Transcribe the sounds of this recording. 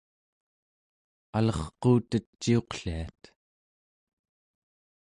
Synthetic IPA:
alʌχquːt̪ət͡ʃːio̞qɬiat̪

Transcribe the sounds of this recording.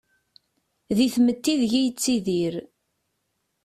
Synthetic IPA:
ðiθmət̪ːiðʝæjət͡sːiðiɾ

